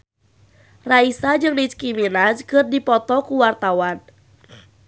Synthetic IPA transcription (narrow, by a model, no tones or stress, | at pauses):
raisad͡ʒɨŋnit͡ʃkiminad͡ʒkɨrdipɔt̪ɔkuwart̪awan